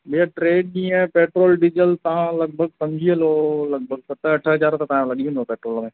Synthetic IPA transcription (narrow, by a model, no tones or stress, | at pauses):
biaʈɾeːɖ̚nĩːɛ̃peːʈɾoːlɖɪd͡ʒəlt̪ɐɦãlɐɡ̚bʱəɡsɐmd͡ʒʱiẽloləɡ̚bʱəɡ̚sət̪aɐʈʰɦɐd͡ʒaːɾt̪at̪ɐãlɐɠiẽnopeːʈɾoːlmẽː